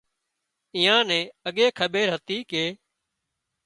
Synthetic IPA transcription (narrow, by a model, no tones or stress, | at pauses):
iːãːnẽːəɠeːkʰəɓeːɾɦət̪iːkeː